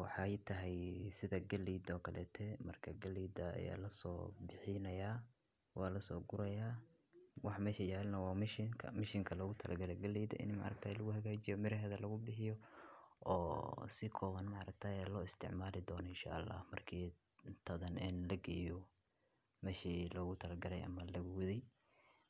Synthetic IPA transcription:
wɑħɑjt̪ʰɐɦɛjsɪðɐɡɐliːd̪ɔːkʰɐlɛ̰ːt̪ʰɛːmɐrkʰɐɡɐliːd̪ɐɐ̰ja̰ːlɐsɔ̰ːbɪħɪnɐjaː | wɑːlɐsɔːɡʊɾɐjaː | wɑħmɛːʃɐjaːlnɐwɑːmɪʃɪŋkʰɐ̰mɪʃɪŋkʰɐlɐɣʊt̪ʰɐlʔɐɡɐlɛɡɐliːd̪ɐ̰ʔɪ̰nmɑ̰ːɾɐ̰ɡk̚t̪ʰaːjlɐɣʊhɐɣaːt͡ʃɪjɔmɪɾɐɦɛðɐlɐɣʊbɪħɪjɔ | ɔːsɪkʰɔːwɐnmɑʕɾɐɡ̚t̪ʰaːɛlɔːɪst̪ʰɪ̰ʕmaːlɪd̪ɔːnɔɪnʃa̰ːʔlːa̰ːhmɐrkʰiː | t̪ʰɐðɐnɛnlɐɡɛjɔ | mɛːʃiːlɔɣʊt̪ʰɐlɐɡɐlɛjʔɐ̰mɐlɐɣwðɛj

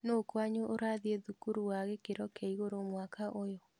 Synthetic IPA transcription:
noːkwaɲoʔoɾaːðieðukuɾuwaɣekeɾɔkʰɛiɣoɾomwakaʔojɔ

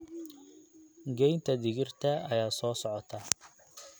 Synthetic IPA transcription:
ɡɛjnt̪ʰɐd̪ɪɣɪrt̪ʰɐɐjaːsɔːsɔʕɔt̪ʰɐ

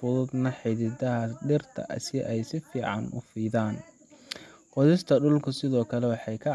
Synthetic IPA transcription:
fʊðʊd̪nɐħɪðɪd̪ɐɦɐɖɪrt̪ʰɐ̰ʔɐ̰sɪʔɛjsɪfiːʕɑ̰nʊ̰fiːðaːn | qɔðɪst̪ʰɐɖʊlkʰʊsɪðɔːkʰɐlɛwɑħɑjkʰɐ

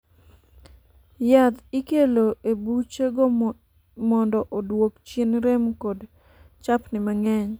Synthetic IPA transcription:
jat̪ikeloʔebut͡ʃeɡo | mɔndɔʔodwokt͡ʃinɾemkod | t͡ʃapnɪmaŋɛɲ

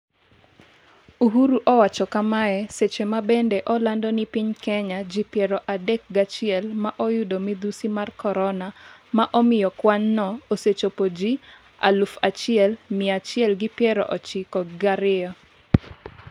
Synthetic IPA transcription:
uɦuɾuʔɔwat͡ʃɔkamaɛset͡ʃemabɛndɛʔɔlandɔnipiɲkɛɲad͡ʒipjɛɾɔʔadɛk̚ɡat͡ʃɪɛlmaʔojʊdomid̪usimarkɔɾɔnamaʔɔmɪjɔkwanːɔoset͡ʃopod͡ʒi | a̰lufat͡ʃɪɛlmɪat͡ʃɪɛlɡɪpjɛɾɔ̰ʔɔt͡ʃɪkɔɡaɾɪɔ

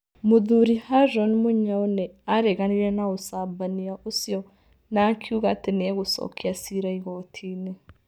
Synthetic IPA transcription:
muðuɾihaʒɔnmuɲaoneaɾeɣaniɾenaosabaniaʔosjɔ | nakʰiuɣatenɛɣusɔ̰kiasiɾaiɣotʰine

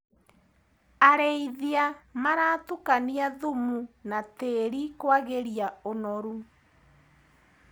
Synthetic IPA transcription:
aɾeiðiamaɾatukaniaðumunateːɾikwaɣeɾiaonɔɾu

